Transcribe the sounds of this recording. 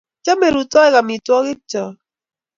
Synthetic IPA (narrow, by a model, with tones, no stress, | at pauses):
t͡ʃɔ˦me˨ɾu˨tɔ˦ɛ˦ka˨mi˨twɔ˦ɣɪ˦t͡ʃɔ˨